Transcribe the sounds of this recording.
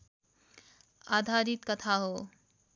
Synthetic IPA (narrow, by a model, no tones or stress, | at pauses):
a̰ːd̪ʱaːɾit̪̚kət̪ʰaɦoː